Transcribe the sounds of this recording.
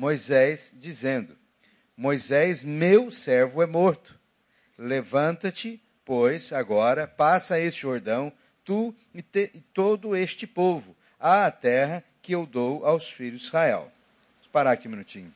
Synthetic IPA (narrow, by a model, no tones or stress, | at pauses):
mojzɛsd͡ʒizẽnd̪ʊ | mojzɛzmewsɛɾvʊɛmoɾt̪ʊ̥ | levɐ̃nt̪ɐt͡ʃɪ | pojzaɡɔɾɐpasɐest͡ʃɪoɾd̪ɐ̃w̃ | t̪u | ɪt̪eɪt̪od̪ʊest͡ʃɪpovʊ | aːt̪ɛɦɐkɪewd̪owawsfiʎʊzizhaɛ̰w | paɾakĩmĩnut͡ʃĩɲʊ